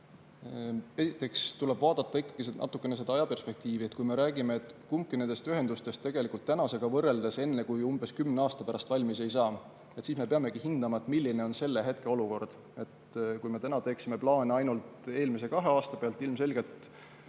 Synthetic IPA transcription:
e̞sit̪ːˑe̞kst̪ule̞bvɑːd̪̥ɑt̪ːˑɑikːɑɡ̥isenʔɑ̰t̪ːˑukːˑe̞ne̞s̬e̞d̪ɑɑjɑpe̞rspe̞k̚t̪iːvie̞t̪kujme̞ɾæːɡ̥imeːt̪kumkːˑinend̪̥e̞st̪yɦe̞nd̪̥ust̪e̞st̪ːe̞ɡ̥elikːult̪ːænɑse̞ɡ̥ɑvɤrːe̞ld̪e̞se̞nːe̞kujumb̥e̞skymneɑːst̪ɑpæɾɑst̪vɑlʲmise̞jsɑː | et̪siːsme̞peɑme̞ɡ̥ihind̪̥ɑmɑet̪ˑmilʲːine̞o̞nse̞lːeɦe̞t̪ke̞o̞luko̞rd̪̥ | e̞t̪kujme̞t̪ænɑt̪e̞ːksime̞plɑːneɑjnult̪e̞ːlmis̬e̞kɑɦe̞ɑːst̪ɑpe̞ɑlt̪ːˑilmse̞lɡe̞lt̪ˑ

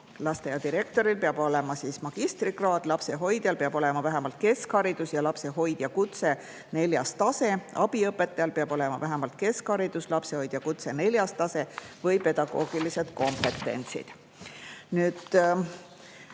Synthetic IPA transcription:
lɑst̪e̞jɑd̪iɾe̞k̚t̪o̞ɾilpeɑbo̞le̞mɑsiːsmɑɡ̥ist̪rikrɑːd̪̥lɑpse̞ɦo̞jd̪̥jɑlpeɑbo̞le̞mɑvæɦemɑlt̪̚ke̞skhɑɾid̪̥usjɑlɑpse̞ɦo̞jd̪̥jɑkut̪se̞ | ne̞ljɑ̰st̪ɑse̞ɑb̥iɤpːˑe̞t̪ːˑɑjɑlpeɑb̥o̞le̞mɑvæɦemɑlt̪̚ke̞skhɑɾid̪̥uslɑpseho̞jd̪̥jɑkut̪se̞ne̞lʲjɑst̪ːɑse̞vɤjpe̞d̪ɑɡ̥o̞̰ːɡ̥ilise̞d̪̥ko̞mpːe̞t̪ːˑe̞̰nt̪sḭd̪̥ | nyːd̪̥

